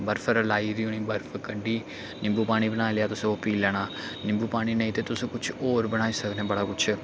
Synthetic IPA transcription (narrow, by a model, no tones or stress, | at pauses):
bɐɾfəɾɐlaːiɾiuɳĩːbɐɾfəkɐɖiː | nɪ̃mbupaːɽ̃ibɐñaːljaːt̪ʊsũoːpiːlɐɳaːnɪ̃mbuːpaːɽ̃inẽit̪et̪ʊsũkʊt͡ʃʰoːɾbɐɽ̃aːisɐɡnẽːbɐɽaːkʊt͡ʃʰ